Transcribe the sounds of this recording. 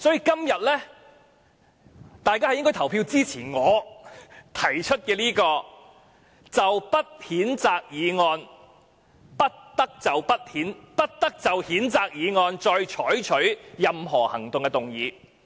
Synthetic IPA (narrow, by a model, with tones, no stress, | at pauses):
sɔː˨˥jiː˨˧kɐ˥mjɐ˨t̚lɛː˥ | t̪aː˨jkaː˥hjɪ˥ŋkɔː˥t̪ʰɐ˨˩wpʰiː˧wt͡siː˥t͡sʰiː˨˩ŋɔː˨˧ | t̪ʰɐ˨˩jt͡ʃʰɵ˥t̚kɛː˧liː˥kɔː˧ | t͡sɐ˨wpɐ˥t̚hiː˨˥nt͡saː˨k̚jiː˨˧ŋɔː˧n | pɐ˥t̚t̪ɐ˥k̚t͡sɐ˨wpɐ˥t̚hiː˨˥npɐ˥t̚t̪ɐ˥k̚t͡sɐ˨whiː˨˥nt͡saː˨k̚jiː˨˧ŋɔː˧nt͡ʃɔː˧jt͡ʃʰɔː˨˥jt͡ʃʰɵ˨˥ɥjɐ˨mɦɔː˨˩hɐ˨˩ŋt̪ʊ˨ŋkɛ˧t̪ʊ˨ŋjiː˨˧